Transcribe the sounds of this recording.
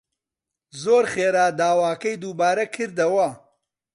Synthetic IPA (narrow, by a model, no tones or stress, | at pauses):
zoːɾχeːɾaːd̪aːwaːkɐjd̪uːbaːɾɐkʰɨɾd̪ɐwɐ